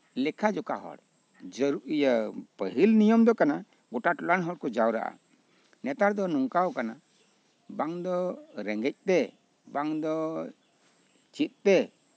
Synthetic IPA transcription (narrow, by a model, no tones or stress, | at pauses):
lɛkʰad͡ʒɔkaɦɔ̰ɽ | d͡ʒəɾuʔijəpəɦilnijɔmd̪ɔkana | ɡɔʈaʈɔlanɦɔɽkɔd͡ʒawɾa̰ʔa̰ | nɛt̪aɾd̪ɔnɔŋkawkana | baŋd̪ɔɾɛŋɡɛc̚t̪ɛ | baŋd̪ɔ | t͡ʃit̪̚t̪ɛ